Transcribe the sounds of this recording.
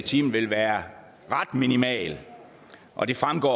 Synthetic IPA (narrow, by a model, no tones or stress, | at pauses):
t͡sʰiːmn̩ʋe̝lʋæːɐ | ʁɑ̈d̥minimɛ̰ːl | ʔɒ̽d̥e̝fʁamɡ̥ɒ̰